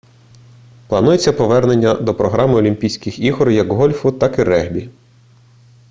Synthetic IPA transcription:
plˠɐnujet͡sʲːɐpɔʋɛrne̞nʲːɐd̪ɔpɾɔɦɾɑmɪɔlʲimʲpʲijsʲkʲɪxiɦɔɾjɐkɦɔlʲfʊt̪ɑkiɾɛɦbʲi

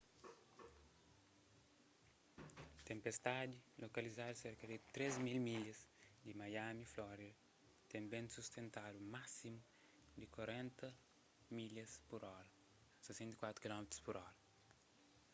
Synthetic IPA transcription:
t̪ẽmpest̪ad̪ilʔokɐlizad̪seɾkɐd̪it̪ɾezmilmiʎɐsd̪imajamiflɔɾid̪ɐ | t̪ẽmbẽnsust̪ʰẽnt̪ad̪umasimu | d̪ikwaɾẽnt̪ɐ | miʎɐspuɾɔɾɐ | sesẽnt̪i̥kwat̪ɾukilɔmet̪ɾu̥spuɾɔɾɐ

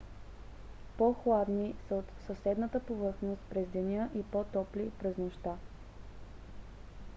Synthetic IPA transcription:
poxlˠad̪nisəot̪səsɛd̪nət̪əpovɤɾxnost̪̚pɾɛzd̪ɛnʲəʔipɔt̪ɔplipɾɛznoʃt̪a

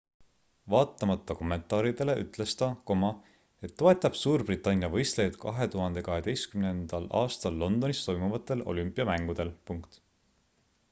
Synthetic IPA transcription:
vɑːt̪ːˑɑmɑt̪ːˑɑko̞mːe̞nt̪ˑɑːɾid̪̥e̞le̞ʔyt̪ˑle̞st̪ɑko̞mɑ | e̞t̪ːo̞e̞t̪ːˑɑb̥suːrbrit̪ːˑɑnʲːjɑvɤ̞jst̪lejd̪̥kɑɦe̞t̪uɦɑnd̪̥e̞kɑɦe̞d̪e̞jskymnend̪̥ɑlʔɑ̰ːst̪ɑlːo̞nd̪̥o̞nist̪o̞jmuvɑt̪ːˑe̞lo̞̰lympːˑiɑmæŋɡ̥ud̪̥e̞lpuŋkt̪

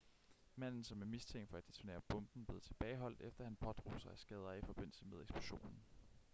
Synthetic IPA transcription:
mæn̰n̩sɒ̽mæɐmist͡sʰeŋ̰ɡd̥fɒ̽æd̥d̥i̥sʰne̝ːɐb̥ɔ̽mb̥n̩b̥le̝ð̩ˠt͡sʰe̝̥b̥ɛːɪɦɒ̽l̰d̥efd̥ɐhænpʰɒ̽d̥ʁṵsɑ̈ɪæsɡ̥ɛːð̞ˠɐifɒ̽b̥e̝n̰l̩səmeð̞ˠeɡ̥sb̥luɕo̝̰ːnn̩

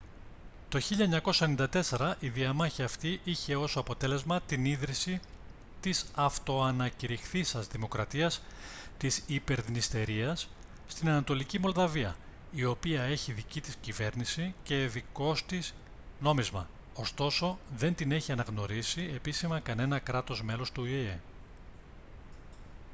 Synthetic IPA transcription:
t̪o̞çiʎɐeɲɐko̞sɐenind̪ɐt̪e̞se̞ɾɐʔiðiɐmɐçiɐft̪iʔiçe̞o̞soɐpo̞t̪e̞le̞zmɐt̪iniðɾisi | t̪isɐft̪o̞ɐnɐciɾixθisɐzðimo̞kɾɐt̪iɐst̪isipe̞ɾðinist̪e̞ɾiɐsː | t̪inɐnɐt̪o̞licimo̞lðɐviɐ̰ | io̞piɐe̞çiðicit̪iscive̞ɾnisice̞ðiko̞st̪is | no̞mizmɐ̰ | o̞st̪o̞so̞ðe̞nt̪ine̞çiɐnɐɣno̞ɾisie̞pisimɐkɐne̞nɐkɾɐt̪o̞zme̞lo̞st̪uee

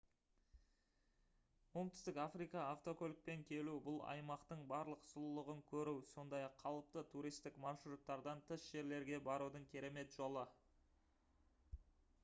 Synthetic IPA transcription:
womt̪ʏ̥st̪ɪkafrijkɑːft̪o̞kʰolʲk̚pe̞ŋkʲʰe̞lubʊlˠɑ̰jmɑqt̪əɴbɑɾlˠəqsʊlˠəlˠəʁəŋkʲʰɵɾuwso̞nd̪ɑjɑqʰːɑlˠəp̚t̪ət̪ʰuɾijst̪ɪkmɑɾʃɾut̪ːɑɾd̪ɑnt̪ʰɪsʒ̥e̞ɾle̞ɾɡʲe̞bɑɾud̪əɴkʲʰe̞ɾe̞me̞t̪ʒ̥o̞lˠə

